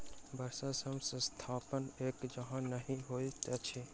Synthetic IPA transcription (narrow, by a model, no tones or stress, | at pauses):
bʱəɾsasəmsə̃st̪ʰaːpəneːkd͡ʒəɦãnəɦĩɦoːit̪ɛt͡ʃʰi